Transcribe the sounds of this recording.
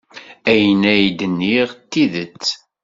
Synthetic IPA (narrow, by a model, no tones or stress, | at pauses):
æjənæjd̪ənːiʁt̪ːiðət͡sː